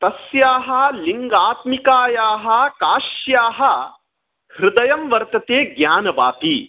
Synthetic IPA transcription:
t̪ɐsjaːɦɐ̆liŋɡaːt̪mikaːjaːɦɐkaːʃjaːɦɐ̆ | hɾɪd̪ɐjɐmʋɐɾt̪ɐt̪eːɡɲaːnɐʋa̰ːpi

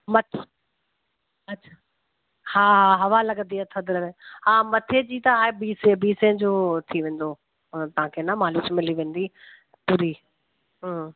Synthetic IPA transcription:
mɐt̪ʰ | ɐɕʰa | haːɦaɦɐʋalɐɡənd̪iɐt̪ʰəd̪ɪɾəeɦaːmɐt̪ʰed͡ʑiːt̪ɐaːɦebiːsebiːsẽd͡ʑoːt̪ʰiʋẽːnd̪oː | t̪ɐɦãkʰenɐmaːluːt͡ɕmɪliʋẽːnd̪i | puɾi | ɦ

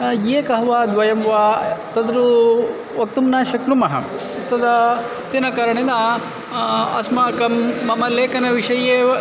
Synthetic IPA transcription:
jeːkɐɦɐʋaːd̪ʋɐjɐmʋaːt̪ɐd̪ɾu | ʋɐk̚t̪umnaːʃɐknumɐɦɐ̰ | t̪ːɐd̪ɐ | t̪inɐkaɾɐɳed̪ɐ | ɐ̰smɐkɐmːɐmɐleːkɐnɐʋiʂɐje

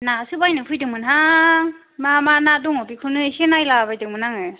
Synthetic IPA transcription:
nasɯbajnɯpʰɯjdɯŋmɯnɦa | mamanadɔŋɔbikʰɯnɯsenajlabajdɯŋmɯnaŋɯ

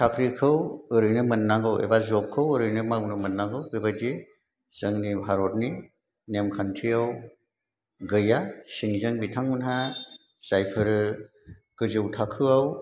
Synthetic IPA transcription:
sʰakʰɾikʰɯwɯɾɯjnɯmɯnːaɡɯwḛbazɔp̚kʰːɯwɯɾɯjnɯmawnɯmɯnːaŋɡɯwbebadi | z̥ɯŋnibʱaɾɔt̚ni | nemkʰantʰiaw | ɡɯjasiŋzɯŋbitʰaŋunɦa | sajpʰɯɾɯ | ɡ̥ɯzɯwtʰakʰɯaw

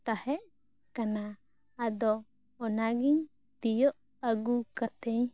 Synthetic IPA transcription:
t̪ahɛʔ | kanaː | d̪ɔː | naɡiɲ | t̪ijɔʔ | aɡukat̪ɛɲ

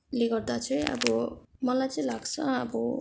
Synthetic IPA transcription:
leɡʌrd̪at͡sʰʌjʌ̰bʌmʌlajt͡sʌĩlaɡt͡sʰʌʌbʌ

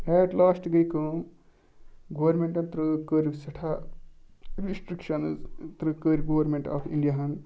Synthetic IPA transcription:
ɛːʈlaːsʈɡɐjkɐm | ɡɐʋɐɾmẽɳʈɐnt̪ɾɨkəɾisɐʈʰa | ɾisʈɾikʃɐnzt̪ɾɨkəɾʲiɡɐʋɐɾmẽɳʈa̰ːfḭɳɖijaɦɐn

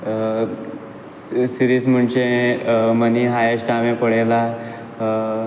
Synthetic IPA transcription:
siɾism̤əɳt͡ɕe | məniɦajeɕʈaʋẽpəɽ̤ela

